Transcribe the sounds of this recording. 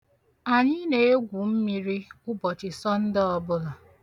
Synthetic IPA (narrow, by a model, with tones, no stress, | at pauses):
a˨ɲɪ˦ne˦e˦ɡʷu˨m̩˦mi˦ɾi˦ʊ˦bɔ˨t͡ʃɪ˨sɔ˦n̩˦dɪ˦ɔ˦bʊ˦la˨